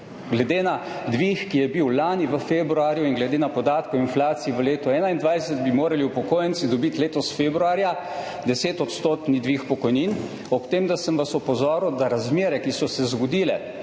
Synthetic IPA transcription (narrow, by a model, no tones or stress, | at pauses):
ɡlɛd̪ena | d̪ʋixkijɛbiwlaːniʋəfeːbɾuaːɾjuinɡlɛd̪enapɔd̪aːt̪kɔinflaːt̪siiʋəleːt̪ɔɛːnaind̪ʋajsəd̪̚bimoːɾaliwpɔkoːjənt̪sid̪ɔbit̪leːt̪ɔsfebɾuaːɾja | d̪ɛseːt̪ɔt̪st̪oːt̪nid̪ʋixpɔkɔjnin | ɔpt̪eːmd̪asəmʋasɔpɔzɔːɾuwd̪aɾazmeːɾɛkisɔsɛzɡɔd̪iːlɛ